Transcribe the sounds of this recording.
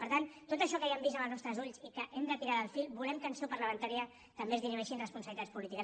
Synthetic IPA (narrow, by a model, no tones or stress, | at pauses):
pəɾt̪ant̪ot̪əʃɔkəjɛmbizəməlˠznɔst̪ɾəzuʎzikəʔɛmd̪ət̪iɾaðəlˠfilbulɛmkənsopəɾləβənt̪aɾiə | t̪əmbezðinuɛʃinrəspunsəβlit̪at͡sspulit̪ikə